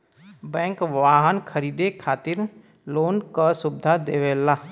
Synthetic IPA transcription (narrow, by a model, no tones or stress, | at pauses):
bɛ̃ːŋkʋaːɦənkʰəɾiːd̪ekʰaːt̪ɪɾ | loːnkasʊb̚d̪ʱad̪eːʋeːlaː